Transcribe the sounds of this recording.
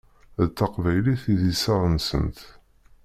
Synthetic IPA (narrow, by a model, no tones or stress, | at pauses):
ðt̪ːɑqvæjliθiðisɑʁənsə̰nt̪